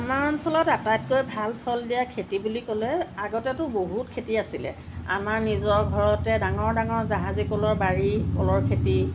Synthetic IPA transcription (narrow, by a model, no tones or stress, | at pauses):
amansɔlɔtatajtkojbʱalpʰɔldijakʰetibulikɔlɛaɡɔtɛtʊboɦutkʰetiasilɛ̰ | a̰maɹnizɔɡʱɔɹɔtɛdaŋɔɹdaŋɔɹzaɦazikɔlɔɹbaɹikɔlɔɹkʰeti